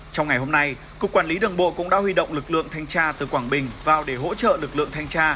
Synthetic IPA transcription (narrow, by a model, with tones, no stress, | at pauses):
t͡ɕɔ˧wŋ͡mŋa˨˩jɦo˧mna˧j | kʊ˨˩kːwaː˧˩nli˨˦ɗɨ˨˩əŋɓo̰˧˨kʊ̰˧˥ŋ͡mɗa̰ː˧˥hwi˧ɗə̰˧˨wŋ͡mlɨ˨˩k̚lɨ̰˧˨əŋt̪ʰa˧jŋt͡ɕaː˧t̪ɨ˨˩kwaː˧˩ŋɓï˨˩ŋ̟vaː˨˩wɗe˧˩ɦo̰˧˥t͡ɕə̰ː˧˨lɨ˨˩k̚lɨ̰˧˨əŋt̪ʰa˧jŋ̟t͡ɕaː˧